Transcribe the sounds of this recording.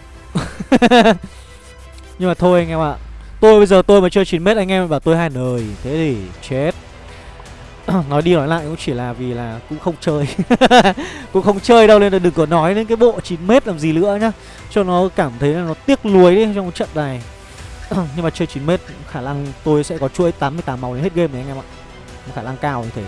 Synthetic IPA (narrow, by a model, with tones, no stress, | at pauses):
ɲɨ˧ŋmaː˨˩t̪ʰo˧jŋɛ˧ma̰ː˧˨t̪o˧jɓə˧jzəː˨˩t̪o˧jmaː˨˦t͡ɕəː˧t͡ɕi˨˦nme˦˥t̚ʔa˧ŋʔɛ˧m˨vaː˨˩t̪o˧jɦaː˧jnəː˨˩jt̪ʰe˨˦ɗe˧˩t͡ɕe˦t̚ | nɔ˨˦jɗi˧nɔ˨˦jla̰ː˧˨jkʊ̰˧˥ŋ͡mt͡ɕi˧˩laː˨˩vi˨˩laː˨˩kʊ̰˧˥ŋ͡mxə˧wŋ͡mt͡ɕəː˧j | kʊ̰˧˥ŋ͡mxə˧wŋ͡mt͡ɕəː˧jɗə˧wle˧nə˨˩ɗɨ˨˩ŋkɨ˧˩˦nɔ˨˦jɗe˨˦nkaː˨˦jɓo̰˧˨t͡ɕi˨˩nme˦˥t̚laː˨˩mzi˨˩lɨ̰˧˥əɲaː˨˦ | t͡ɕɔ˧ŋ͡mnɔ˨˦kaː˧˩mt̪ʰə˨˦jlaː˨˩nɔ˨˦t̪i˦˥ək̚lu˨˦əjɗi˨˦t͡ɕɔ˧wŋ͡mt͡ɕə̰˧˨nna˨˩j | ɲɨ˧ŋmaː˨˩t͡ɕəː˧t͡ɕi˨˦nme˦˥t̚xaː˧˩na˧ŋt̪o˧jsɛ̰˧˥kɔ˨˦t͡ɕṵ˧˥˦jt̪aː˨˦mːɨ˧jt̪aː˨˦ma˨˦wɗe˨˦nhe˦˥t̚ɣe˧ma˨˩ʔa˧jŋʔɛ˧ma̰˧˨ | xŋ͡mxaː˧˩na˧ŋkaː˧wt̪ʰe˨˦